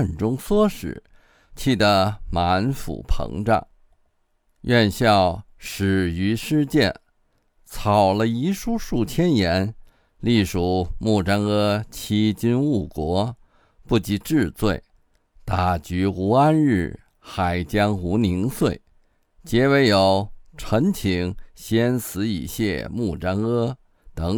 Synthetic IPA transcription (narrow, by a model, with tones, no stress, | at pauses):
nʈ͡ʂʊ˥ŋswɔ˥ʂɻ̩̰˨˩˦ | t͡ɕʰi˥˩d̪ə˧ma˧˥nfṵ˨˩pʰɤ̰˧˥ŋʈ͡ʂa̰˥˩ŋ | ɥɛ˥˧nɕjɑ˥˩ʊ | ʂɻ̩˨˩y˧˥ʂɻ̩˥t͡ɕjɛ˥˩n | t͡sʰɑ˨˩ʊlə˦i˧˥ʂu˥ʂu˥˩tʰjɛ˥njɛ˧˥n | li˥˩ʂu˨˩mu˥˩ʈ͡ʂa˥ŋɤ˥t͡ɕʰi˥t͡ɕi˥nu˥˩kwɔ˧˥ | pu˥˩t͡ɕi˧˥ʈ͡ʂɻ̩˥˧t͡swe˥˩ɪ | t̪a˨˩t͡ɕy˧˥u˧˥a˥nɻɻ̩˥˩ | xa˨˩ɪt͡ɕjɑ˥ŋu˧˥ni˧˥ŋswe˥˩ɪ | t͡ɕjɛ˧˥we˧˥ɪjo˨˧˩ʊʈ͡ʂʰɤ˧˥ŋt͡ɕʰi˧˥ŋɕjɛ˥nsɹ̩˧˥ḭ˨˩ɕjɛ̰˥˧mu˥˩ʈ͡ʂa˥ŋɤ˥ | t̪ɤ˧˩˥ŋ